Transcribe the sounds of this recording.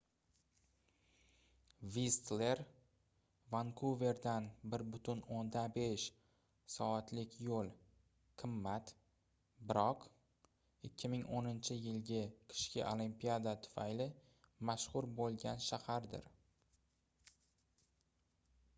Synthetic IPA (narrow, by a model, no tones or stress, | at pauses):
vist̪le̞ɾ | vaŋkʰuve̞ɾd̪anbɪɾbʊt̪ʰʊnond̪abe̞ʃ | sɒat̪lɪkʲjolˠ | qʰɨmːat̪ | bɪɾɒq | ɪkʲʰːɪmɪŋʔonɪnt͡ʃʰɪjɪlɡʲɪkʲʰɪ̥ʃkʲɪ̰ʔolimpijad̪at̪ʰʊ̥fajlɪ | maʃχʊɾbolˠɡʲanʃahaɾd̪ɪ̰ɾ